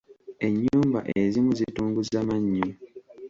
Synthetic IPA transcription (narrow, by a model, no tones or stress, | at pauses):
e̞ɲːuːmba̰ʔezimuzituːŋɡuzamaɲːu